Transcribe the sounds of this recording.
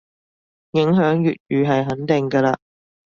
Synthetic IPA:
jɪ˨˥ŋɦœː˨˥ŋjy̰ː˨t̚jyː˨˧ɦɐ˨jɦɐ˨˥nt̪ɪ˨˩ŋkɐː˧laː˧

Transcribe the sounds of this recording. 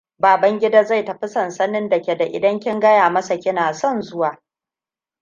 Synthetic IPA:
baː˨bɐ˦ŋɡʲɪ˦daː˦za˦˨jtɐ˨ɸɪ˦sɐ˦˨nsɐ˦nɪ˦ndɐ˨kʲe˨da˨ʔɪ̰˨dɐ˦ŋkʲɪ˦ŋɡɐ˦jaː˨mɐ˦sa˨kʲɪ˦naː˨sɔ˦˨nzʊ˦waː˨

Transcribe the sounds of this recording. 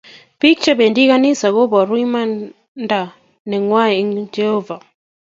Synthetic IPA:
pi˦k̚t͡ʃa˦be˨ndi˦ka˦ni˦sa˨ɣo˦bɔ˨ɾwi˦ma˦ | nda˨ | nɛ˨ŋwa˦ɛ˨˦ŋd͡ʒɛ˦hɔ˦va˨

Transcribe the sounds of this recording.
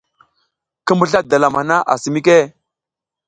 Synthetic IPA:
kə˦mbə˦ɬa˦da˨la˨m˨a˨na˦ʔa̰˨si˨mi˦k̬e˦˨

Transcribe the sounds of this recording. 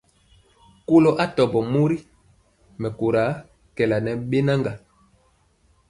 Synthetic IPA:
ko˦lo˦ʔa˦tɔ˨bɔ˨mu˦ɾi˦ | mɛ˨ko˨ɾa˨˦ | kɛ˨la˨nɛ˨ɓe˦na˦ŋɡa˨

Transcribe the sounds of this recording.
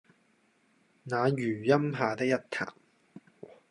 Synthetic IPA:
naː˨˧jyː˨˩jɐ˥mɦaː˨t̪ɪ˥k̚jɐ˥t̚t̪ʰa̰ː˨˩m

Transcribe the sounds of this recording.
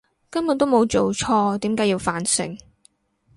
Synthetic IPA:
kɐ˥mjʊ˨˩t̪o˥wmo˨˧wt͡so˨˩wt͡ʃʰɔː˧t̪iː˨˥mkaː˨˥ji˧wfaː˨˩nsɪ̰˨˩ŋ

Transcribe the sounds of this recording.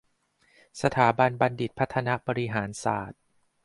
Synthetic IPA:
sa˧t̪ʰaː˩˦ba˧nba˧ndi˨˩t̪̚pʰa˦˥t̪ʰːa˧na˦˥ʔbɔː˧ɾi˦˥ɦaː˩˦nsaː˨˩t̪̚

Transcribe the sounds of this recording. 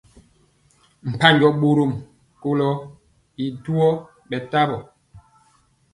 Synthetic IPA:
m̩˨pa˦ɲd͡ʒɔ˦ɓo˦ɾo˦˨m | ko˦lɔ˦ | i˨du˦ɔ˦ | ɓɛ˨ta˦bɔ˨

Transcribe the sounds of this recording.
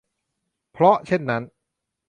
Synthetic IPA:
pʰɾɔ˦˥t͡ɕʰe˥˩nːa˦˥n

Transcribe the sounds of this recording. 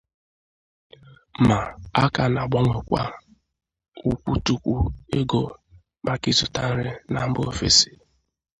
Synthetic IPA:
ma˨a˦ka˨na˨ɡ͡bɔ˦ŋʷe˨kʷa̰˦ | ʊ˦kʷu˦tu˦kʷu˦e˦ɡo˨ | ba˨ki˦zʊ˨ta˦n̩˦ɾɪ˦na˨m̩˦bo˦o˦fḛ˨si̥˨

